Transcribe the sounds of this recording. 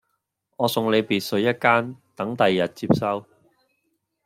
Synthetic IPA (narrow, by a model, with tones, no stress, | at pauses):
ɔː˨˧sʊ˨˧ŋle˨˧jpiː˨t̚sɵ˨˧ɥjɐ˥t̚kaː˥nt̪ɐ˨˥ŋt̪ɐ˨jːɐ˨t̚t͡siː˧˥p̚sɐ˥w